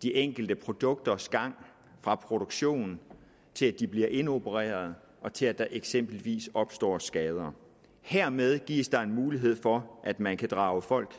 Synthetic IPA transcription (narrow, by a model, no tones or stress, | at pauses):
d̥iʔeŋ̰ɡ̥ld̥əpʰʁo̝d̥ɔ̽ɡ̥̚d̥ɐsɡ̥ɑ̈ŋ̰ | fʁɑ̈pʰʁo̝ɾ̥oɡ̥ɕo̝̰ːn | t͡sʰe̝læd̥ib̥liɐʔe̝no̝bʰəʁḛːɐð̞̩ˠ | ɒ̽t͡sʰe̝læd̥ɑ̈ʔeɡ̥sem̰b̥l̩ʋḭːsɒ̽b̥sd̥ɒ̰ːsɡ̥ɛːð̞ˠɐ | heɐ̰með̞ˠɡ̥ḭɐsd̥ɑ̈e̝nmuːliɦe̝ð̞̰ˠfɒ̽ʔæd̥mænkʰæd̥ʁɑ̈ːʊəfɒ̽l̰ɡ̥